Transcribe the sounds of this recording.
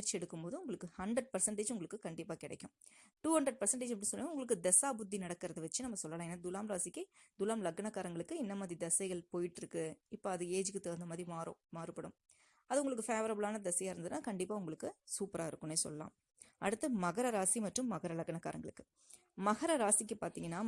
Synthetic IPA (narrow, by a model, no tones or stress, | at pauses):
ɐɾt͡ʃːɪɛɽɯkːɯmpoːðɯʊŋɡɐɭɯkːɯhɐɳɖɾɐɖ̚pɐɾsɐɳʈeːd͡ʒʊŋɡɐɭɯkːɯkɐɳɖɪpːaːkɪɽɛ̰ɪkʲːɯ̃m | ʈuːhɐɳɖɾɐɖ̚pɐɾsɐɳʈeːd͡ʒɐpːɽɪnsɔnːɐnaːʊŋɡɐɭɯkːɯd̪ɛsaːbʊd̪ʱːinɐɽɐkːɪɾɐðɯʋɐt͡ʃːɯnɐmːɐsɔlːɐlãːeːnːaːd̪ʊlaːmɾaːsɪkːɐɪd̪ʊlaːmlɐɡɐnɐkːaːɾɐŋɡɐɭɯkːɯɪnːɐmaːðɾid̪ɐsɐɪɣɐɭpoːjɪʈːɪɾɯkːɯɪpːoɐðɯeːd͡ʒɯkːɯt̪eːɾɯnd̪ɐmaːðɾimaːɾʊ̰̃maːɾɯpːɐɽʊ̰m | ɐðɯʊŋɡɐɭɯk̬ːɯfeːʋɐɾɐbɐlaːnɐd̪ɛsɐjaːɪɾɯnd̪ðɯnːaːkɐɳɖɪpːaːʊŋɡɐɭɯkːɯsuːpɾaːɪɾɯkːʊneːsɔ̰lːɐla̰ːm | ʔɐ̰ɽɯt̪ːɐmɐɣɐɾɐɾaːsimɐʈrɯmːɐɣɐɾɐlɐɡɐɳɐkːa̰ːɾɐ̰ŋɡɐɭɯkːɯ̥ | mɐɣɐɾɐɾaːsɪkːɯpaːɾt̪iːŋɡɐnːaː